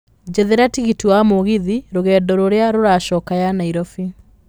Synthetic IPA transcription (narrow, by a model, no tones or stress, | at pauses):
d͡ʒɛðɛɾatiɣitiwamoɣiðiɾoɣɛːdɔɾoɾeaɾoɾaʃɔːkajanaiɾɔfi